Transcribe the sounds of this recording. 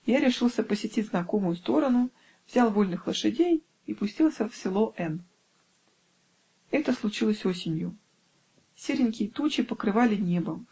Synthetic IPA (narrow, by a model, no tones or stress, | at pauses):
jaɾʲɪʂɨlˠsʲəpəsʲɪtʲitʲznɐko̞mʊjʊst̪o̞ɾənʊ | vzʲalˠvo̞lʲnɨxlˠəʂɨdʲej | ipʊsʲtʲilˠsʲəfsʲɪlˠo̞ʔɛn | ɛt̪əslˠʊt͡ɕilˠəsʲo̞sʲɪnʲjʊ | sʲeɾʲɪnʲkʲɪjət̪ut͡ɕɪpəkɾɨvalʲɪnʲebə